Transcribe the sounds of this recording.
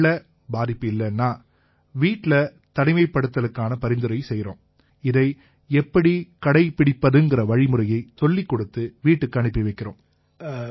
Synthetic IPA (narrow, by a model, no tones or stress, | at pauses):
ɐ | baːðɪpːɯɪlːɐnːaː | ʋiːʈːɪlɐ | t̪ɐɽɪmɐɪpːɐɽɯt̪ːɐlɯkːaːnɐpɐɾɪnd̪ɯɾɐjsɛjːɾo̰ːm | ɪðɐɪ | ɛpːɐɽikɐɽɐɪpɪɽɪpːɐðɯŋɡɪɾɐʋɐɻɪmɯɾɐjɐɪt̪ɔɭːikːɔɽɯt̪ːɯʋiːʈːɯkːɯɐɳɪpːiʋɐɪkːɪɾo̰ːm